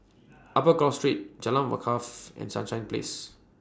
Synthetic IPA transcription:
ʔapəkɔlstɹit̚d͡ʒalãnwə̰kʰafɛ̰̃nsã̰nʃãj̃nplḛs

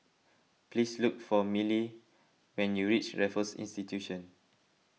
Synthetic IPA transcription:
plisluk̚fɔmili | wɛ̃njuɹit͡ʃɹɛfəsḭ̃nstitʰjuʃə̃n

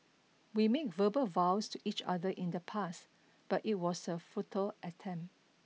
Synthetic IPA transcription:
wimek̚vəbəlvawstuʔit͡ʃa̰dəʔɪ̃ndəpʰas | b̥atit̚wɔsəfutʰəlʔətʰɛ̃mp

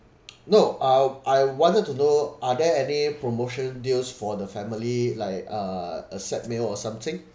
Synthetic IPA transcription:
noʔaʔaɪwɔ̃ntətunoʔadɛɛnipɹomoʃə̃ndilsfɔdəfɛ̃mililaɪkʌəsɛt̚melɔsãmt̪ɪ̃ŋ

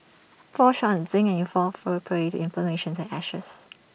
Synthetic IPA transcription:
fɔʃɔ̃nsɪ̃ŋɛ̃njɔfɔfəɹɛpʰəɹetɪ̃nfləmeʃə̃nsɛ̃nɛʃə̰s

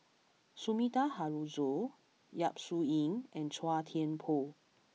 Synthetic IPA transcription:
sumitaɦaɹuzo | jap̚suĩŋʔɛ̃nt͡ʃʰwatʰiə̃npʰo

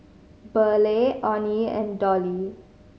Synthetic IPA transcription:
bəleʔɔniɛ̰̃ndɔli

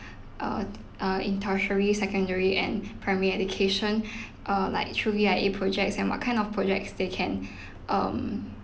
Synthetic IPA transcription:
ʔʌ̰ | ʌĩntʰaʃəɹisɛkə̃ndəɹiʔɛ̰̃npʰɹaməɹiɛdukʰeʃɔ̃n | ʔʌla̰ɪk̚tʰɹuviaɪepʰɹɔd͡ʒɛk̚sɛ̃nwɔ̰t̚kʰãɪ̃ndɔfpʰɹɔd͡ʒɛk̚tsdekʰɛ̃n | ʔʌ̃m

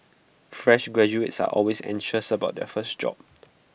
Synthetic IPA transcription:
fɹɛʃɡɹɛd͡ʒuetsa̰ʔɔlwesɛ̰̃nʃəsəbaʊt̚dɛ̰fəsd͡ʒɔ̰p̚

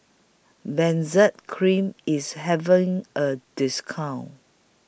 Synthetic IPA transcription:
bɛ̃nzət̚kʰɹĩmisɦɛṽŋʔəd̥ɪskʰãwn

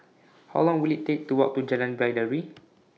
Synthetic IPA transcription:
hawlɔ̃ŋwilittek̚tuwɔk̚tud͡ʒɛlãnbajdəɹi

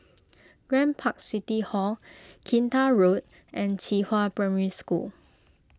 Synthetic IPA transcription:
ɡ̥ɹɛ̃npʰak̚sitihɔlkʰĩntaɹot̚ | ʔɛ̃nt͡ʃihapɹɛmiɹiskṵl

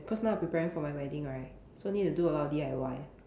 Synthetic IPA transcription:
kʰɔsnaʊpɹipɛɹĩŋfɔmajwɛdĩŋɹaɪt̚ | soanit̚tuduəlat̚diajwaj

